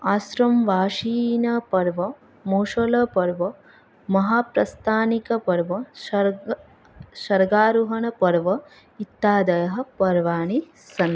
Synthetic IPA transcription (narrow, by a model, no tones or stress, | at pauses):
aːsɾɐmʋaːʃiːnɐpɐɾʋɐ | moːʂɐlɐpɐɾʋɐ | mɐɦaːpɾɐst̪ʰaːnikɐpɐɾʋɐʃɐ | ʃɐɾɡaːɾuɦɐɳɐpɐɾʋɐ | it̪ːaːd̪ɐjɐɦɐ̆pɐɾʋaːɳi | sɐn